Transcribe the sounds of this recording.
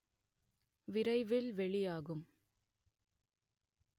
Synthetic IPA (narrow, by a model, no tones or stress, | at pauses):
ʋɪɾɐɪʋɪlʋɛɭɪjaːɣɯm